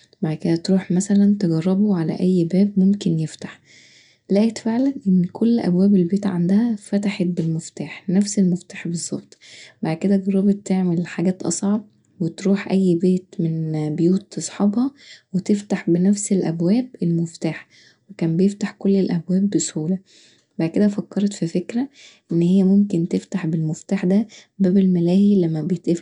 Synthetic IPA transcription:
baʕd̪ked̪æt̪ɾuːħmæsælænt̪eɡɑrˤːɑboʕalæ̰ʔæjːbæːbmomkenjeft̪ḁħ | læːʔet̪feʕlænʔenːkʰolːʔæ̰bwæːbelbeːt̪ʕand̪æhæfæt̪aħet̪̚belmoft̪aːħnæfselmoft̪aːħbezˤːɑb̥t̪ˤbaʕd̪̚ked̪æɡɑrˤːɑbet̪ːeʕmelħaɡæːt̪ʔɑ̰sˤʕɑb̚ | wet̪ɾuːħʔæjːbeːt̪menbejuːt̪ːesˤħɑbhɑwet̪eft̪aħbenæfselʔæbwæːbelmoft̪aːħ | wekæːmbejeft̪aħkolːelʔæbwæːbːeshuːlæ | baʕd̪̚ked̪æfækːɑɾˤɑt̪fifekɾæʔenːhejːæmomkent̪eft̪aħbelmoft̪aːħd̪æbæːbelmælæːhilæmːæbejet̪ʔe

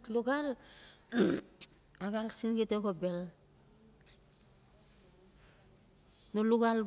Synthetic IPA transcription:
tluɡal | aɡalsinɡiteɡobel | noluɡal

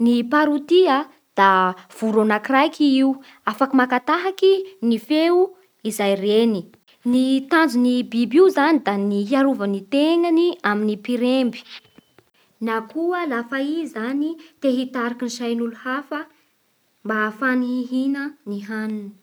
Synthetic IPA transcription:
nipaɾut̪ia | d̪̥av̥uɾonakirajkʰiiu | afakimakat̪aɦakinifeu | izajreni | nit̪and͡zunibibiuzanid̪aniɦiaɾuvənit̪eŋaniaminipiɾembi̥ | nakuəlafaizanit̪eɦit̪aɾakiniʃajnuluhafə | mbafanihiɦinəniɦanuni̥

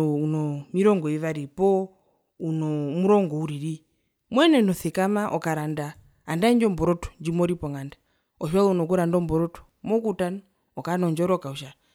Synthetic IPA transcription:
unɔmiɾɔŋɡɔiʋaɾipɔ | unɔmuɾɔŋɡɔuɾiɾi | mwɛnɛnɔθɛkamaʔɔkaɾandaː | ndaɲd͡ʒɔmbɔɾɔtɔ̥ɲd͡ʒimɔɾipɔŋanda | ɔʃwalunɔkuɾandɔmbɔɾɔtɔ̥ | mɔkutan | ɔkanɔɲd͡ʒɔɾɔkauʃa

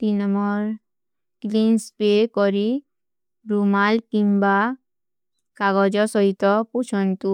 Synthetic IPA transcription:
t̪inɔmɔɾ | klinspekɔɾi | bɾumalkimba | kaɡɔd͡ʒɔsɔɦit̪ɔput͡ʃʰɔnt̪u

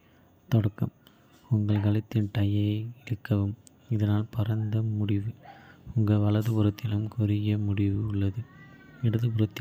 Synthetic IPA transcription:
t̪ɔɽɐkːɐm | ʊŋɡɐɭkɐɭɐt̪ːɪnt̪ɐjɐɪɾɯkːɐʋɯm | ɪðɐnaːlpɐɾɐnd̪ɐmʊɽɪʋɯʊŋɡɐʋɐɭɐðɯpʊɾɐt̪ːɪlɯmkʊɾɪjɐmʊɽɪʋɯʊɭːɐðɯɪɽɐðɯpɯɾɐt̪ːɪ

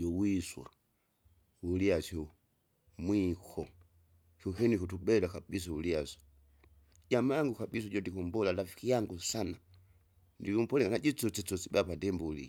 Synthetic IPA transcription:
ʄɔwiswa̰ | uliasɔ | mwikʰɔ | kɔkɛnikutuɓɛdakaɓis̬auliasɔ̥ | d͡ʒamajaŋɡukaɓis̬ɔd͡ʒɔndikɔmbɔlalafi̥kijaŋɡusana | ndikum̩pɔlɛkanad͡ʒit͡sɔt͡sɛt͡sɔsiɓapadɛmbɔulḭa

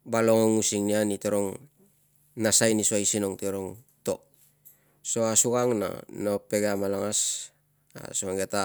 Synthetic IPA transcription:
baloŋoŋusiŋnianitoɾoŋ | nasajnisuajsinoŋtioɾoŋ | to̞̰ | so̞asuɡaŋna̰nope̞ɡamalaŋas | a̰suaŋɡeta

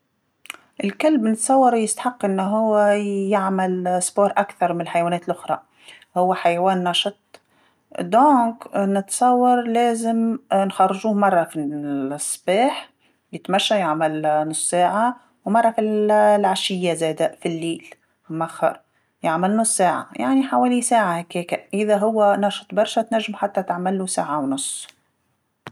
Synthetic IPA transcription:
ʔɪlkalbnɪt̪sˤɑwːɑɾˤjɪst̪ḁħɑqːʔɪnːɦʊwːɪjɪʕmalsboːɾˤʔakθɑɾˤmɪnɪlħajwaːneːt̪lʔʊxɾˤɑ̰ | hʊwːaħajaweːnːɑʃɑt̪̚ˤ | d̪õːknɪt̪sˤɑwːɑɾˤleːzɪmnxɑrˤːʒuːhmɑrˤːɑfisˤːbeːħ | jɪt̪maʃːajaʕmalnʊsˤːaːʕa | wmɑrˤːɑfilʕaʃɪjːazeːd̪aʔfilːiːl | mʔaxɑ̰ɾˤ | jaʕmɪlnʊsˤːaːʕa̰jaʕniħaweːlisaːʕahekheːkaʔɪðaɦʊwːanɑʃt̪ˤbɑɾˤʃat̪naʒːɪmħat̪ːat̪aʕmɪlːusaːʕawnʊsˤː

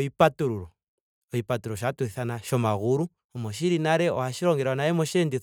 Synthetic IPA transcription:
ipatuɾuɾo | oipatuɾoʃatwiθanaʃomaɣuɾu | omoʃ̬iɾinaɾeo̰haʃiɾoːŋɡeɾwanajemoʃendiθ

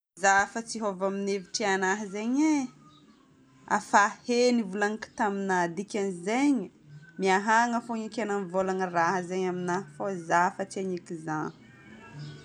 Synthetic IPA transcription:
zafət͡siɦovamineviʈ͡ʂianaɦəzeɲe | a̰fahenivulaŋiki̥t̪aminad̪ikʲanizeɲi | miaɦaŋəfoŋikʲananivolanəraɦəzeɲaminafozafət͡seɲikizan

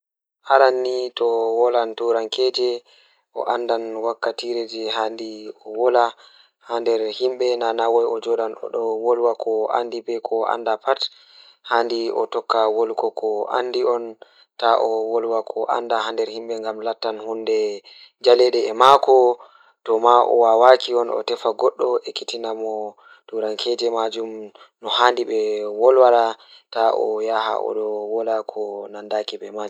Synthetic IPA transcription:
haɾanːitɔwɔlantuɾankɛːd͡ʒɛ | ʔɔ̰ʔandanwakːatiɾed͡ʒɛɦandiɔwɔla | handɛɾhimɓɛnanawɔjɔd͡ʒɔɗanɔ̰ɗɔwɔlwakʰɔa̰ndibɛkʰɔa̰ndapat | handiʔɔ̰tɔkːawɔlkɔkʰɔʔa̰ndiɔn | taʔɔwɔlwakʰɔʔa̰ndahandɛɾhimɓɛŋɡamlatːanhundɛ | d͡ʒalɛɗɛɛmakʰɔ | tɔmaʔɔ̰wawakiɔnɔ̰tɛfaɡɔɗːɔʔɛkitinamɔ | duɾankʰɛd͡ʒɛmad͡ʒum | nɔhandiɓɛwɔlwaɾataʔɔ̰jaha̰ʔɔ̰ɗɔwɔlakʰɔnandakiɓɛmad͡ʒ

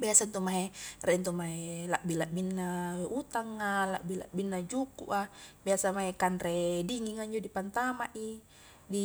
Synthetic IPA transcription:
biasant̪umaɦerɛnt̪̬umaɦelaʔbilaʔbinːaut̪aŋːalaʔbila̰ʔbinːad͡ʒukṵʔabiasamaɦekanrɛdiŋiŋaɲd͡ʒodipant̪amaʔi | di

